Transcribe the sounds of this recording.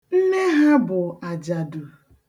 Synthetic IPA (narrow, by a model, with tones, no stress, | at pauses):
n̩˦ne˦ɦa˦bʊ˨a˨d͡ʒa˨du˨